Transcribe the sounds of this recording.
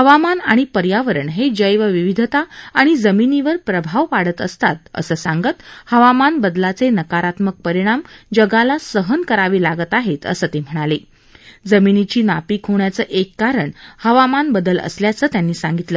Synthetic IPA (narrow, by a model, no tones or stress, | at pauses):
həʋamanaɽ̃ipəɾjaʋəɾəɳɦed͡ʑəjʋəʋiʋid̪ʱət̪aːɽ̃id͡zəminiʋəɾpɾəbʱaʋʋaɽ̤ət̪əst̪at̪̚ə̰səːsãŋɡət̪həʋamanbəd̪lat͡senəkaɾat̪mək̚pəɾiɽ̃amd͡ʑəɡalasəɦənkəɾaʋiːlaɡət̪aɦet̪ə̰səːt̪em̤əɽ̃ale | d͡zəminit͡ɕiːnapiːkʰɦoɳjat͡səːʔekːaɾəɳhəʋamanbəd̪ələ̰sljat͡səːt̪janːiːsãŋɡit̪ləː